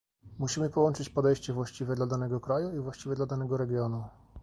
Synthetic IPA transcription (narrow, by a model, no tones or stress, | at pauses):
muɕimɘpɔwɔnt͡ʂɘt͡ɕpɔd̪ɛjɕt͡ɕɛvwaɕt͡ɕivʲɛd̪lad̪anɛɡɔkɾajuivwaɕt͡ɕivʲjɛd̪lad̪anɛɡɔɾɛɡʲjɔnu